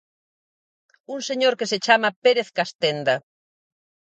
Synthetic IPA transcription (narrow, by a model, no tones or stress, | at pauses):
uŋseɲoɾkeset͡ʃamɐpeɾeθkast̪end̪ɐ